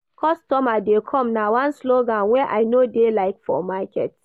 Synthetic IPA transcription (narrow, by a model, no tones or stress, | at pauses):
kʰɔstɔmadekʰɔ̃mnawãnsloɡãnwɛʔajnodelaɪkfɔ̰makɛ̰t